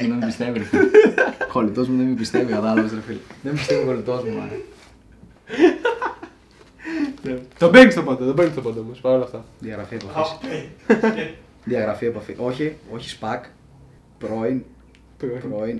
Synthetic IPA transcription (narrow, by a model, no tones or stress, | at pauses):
muðembist̪evi | kolit̪o̞zmuðemibist̪evikɐt̪ɐlɐɣost̪ɾɐfilðembist̪eviko̞lit̪ozmuɐ̰l | net̪obeŋɡist̪opond̪ɐt̪obeŋɡist̪opond̪ɐomospɐɾolɐft̪ɐðiɐɣɾɐfiɐepɐfs | ðiɐɣɾɐfiɐepɐfḭʔo̞çioçi̥spɐk | pɾoin | pɾoin